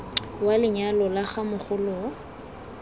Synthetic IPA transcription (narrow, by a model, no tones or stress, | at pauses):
walɪɲalɔlaχamʊχʊlɔ